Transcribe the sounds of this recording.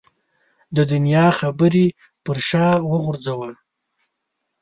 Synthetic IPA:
d̪əd̪ʊnjɑxabəɾi | pəɾʃɑwəɣʊɾzawəl

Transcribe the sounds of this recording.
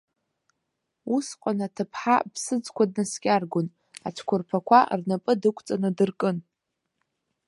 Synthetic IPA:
usqʷʼanatʰɨpʰħapʰsɨd͡zkʷʰad̚naskʲʼarɡʷʊn | at͡ʃʷʰkʷʰʊrpʰakʷʰarnapʼɨdɨkʷʰʼt͡sʼanɨdɨrkʼɨn

